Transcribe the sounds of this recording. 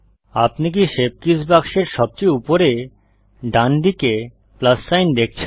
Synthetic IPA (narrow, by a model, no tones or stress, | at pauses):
apnik̬iʃeb̚kisbakʃeɾʃɔb̚t͡ɕejupoɾe | ɖand̪ike | plasːajnd̪ek̚ʰt͡ɕʰe